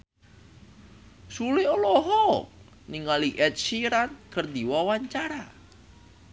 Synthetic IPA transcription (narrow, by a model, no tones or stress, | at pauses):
sulɪolɔɦɔk | niŋaliʔɛt̪̚siɾankərd̪iwawaɲt͡ʃaɾa